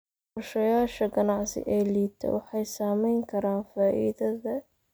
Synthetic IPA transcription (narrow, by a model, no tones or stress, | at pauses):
ʊrʃɐjaːʃɐɡɐnɑʕsɪ̰ʔɛːliːt̪ʰɛ̰wɑħɑjsaːmɛjŋkʰɐɾaːnfaːʔḭːðɐðɐ